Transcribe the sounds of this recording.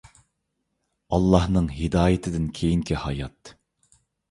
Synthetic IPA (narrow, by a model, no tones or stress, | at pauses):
ɑlˠːɑhnɨŋɦɪd̪ɑːjɪt̪ʰɪd̪ɪnkʲʰejiŋkʲʰihɑjɑt̪